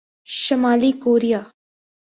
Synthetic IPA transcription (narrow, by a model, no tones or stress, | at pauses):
ʃɐmaːliːkoːɾijaː